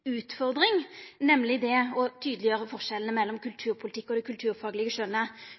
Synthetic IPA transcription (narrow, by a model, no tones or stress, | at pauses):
ʉːt̪fɔʁd̪ʁɪŋnɛmlɪd̪ɛɔt̪ʰyːd̪əlɪjøːʁəfɔʁʂɛlnəmɛlːɔmkʉlt̪ʰʉːʁpʰʊlɪt̪ɪkːɔd̪ɛkʰʉlt̪ʰʉːʁfɑːɡlɪɡəʂœnːə